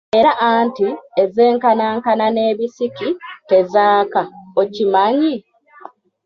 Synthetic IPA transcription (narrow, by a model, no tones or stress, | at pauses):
e̞ɾaʔantieze̞ːŋkanaŋkanane̞ːβisikite̞zaːkaocimaɲi